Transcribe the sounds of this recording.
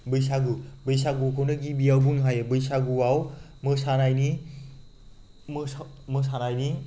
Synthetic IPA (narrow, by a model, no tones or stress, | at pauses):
bɯjs̬aɡubɯjsaɡukʰownɯɡibiawbunɦajebɯjsaɡuwaw | mɯsanajni | m | mɯs̬anajni